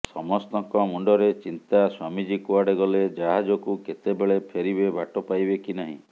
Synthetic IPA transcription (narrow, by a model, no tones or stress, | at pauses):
sɔmɔst̪ɔŋkɔmuɳɖɔɾet͡ʃint̪aswamid͡ʒikuaɽeɡɔled͡ʒaɦad͡ʒɔkuket̪ebeɭepʰeɾibebʱaʈɔpajbekinaɦḭ̃